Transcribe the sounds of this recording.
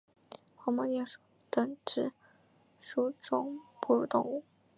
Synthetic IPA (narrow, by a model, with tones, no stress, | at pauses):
xɑ˧˥mɑ˧ŋjjɛ˥˧nʂu̥˨˩ | t̪ɤ˧˥ŋʈ͡ʂɻ̩˧˥ | ʂu˥ʈ͡ʂʊ˥ŋpu˥˧ɻu˧˩t̪ʊ˥˧ŋu˥˩